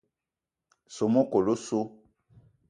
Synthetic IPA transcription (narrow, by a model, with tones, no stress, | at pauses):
so˨mo˦ko˨lo˦so˦